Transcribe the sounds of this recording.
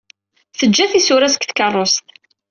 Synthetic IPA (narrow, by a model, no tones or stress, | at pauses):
θəd͡ʒːæθisʊɾæskθkərˤːost̪